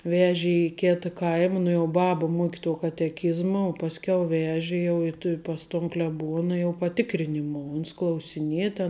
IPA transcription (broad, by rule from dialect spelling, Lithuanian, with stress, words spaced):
ˈʋʲæːʒʲeː ɪ ˈkʲeːtɐ ˈkɐɪmɐ nʊ jɛʊ ˈbɑːbɐ ˈmuɔkʲɪ tuɔ kɐtʲɛˈkʲɪzmɐ oː pɐsʲˈkʲɛʊ ˈʋʲæːʒʲɪ jɛʊ ɪ tʊ ˈpɐs toːn klʲɛˈbuɔnɐ jɛʊ pɐˈtʲɪkrʲɪnʲɪmuɔ ʊns klˠɐʊsʲɪˈnʲiɛ tʲɛn